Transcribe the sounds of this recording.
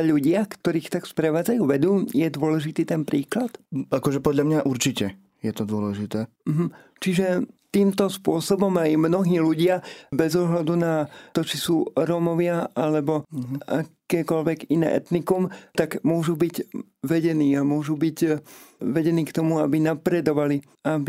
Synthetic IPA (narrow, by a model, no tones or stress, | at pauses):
ʎuɟɪakt̪ɔɾiːxt̪akspɾɛʋaːd͡zajuːʋɛd̪uːjɛd̪ʊɔlɛʒit̪iːt̪ɛnpɾiːklat̪akɔʒɛpɔd̪ʎamɲaʔuɾt͡ʃicɛ | jɛt̪ɔd̪ʊɔlɛʒit̪ɛːm̩ɦm̩ | t͡ʃiʒɛt̪iːmt̪ɔspʊɔsɔbɔmajmnɔɦiːluɟɪabɛzɔɦlad̪unat̪ɔt͡ʃisuːɾɔmɔʋɪaalɛbɔa̰kɛːkɔʎʋɛɡinɛ̰ːʔɛ̰t̪nikumt̪aɡmʊɔʒubiɟ | ʋɛɟɛniːamʊɔʒubiɟ | ʋɛɟɛniːkt̪ɔmuabinapɾɛd̪ɔʋali | abi